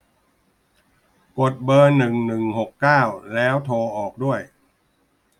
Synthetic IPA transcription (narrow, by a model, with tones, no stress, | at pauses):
ko˨˩t̪̚bɤː˧nɯ˨˩ŋnɯ˨˩ŋho˨˩kːaː˥˩wlɛː˦˥wt̪ʰoː˧ʔɔː˨˩k̚du˥˩əj